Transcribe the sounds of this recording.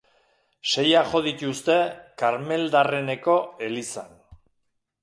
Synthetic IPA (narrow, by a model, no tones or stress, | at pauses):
ʃe̞jaʝo̞ðit̪ust̪e̞kaɾme̞ld̪are̞ne̞ko̞e̞lisan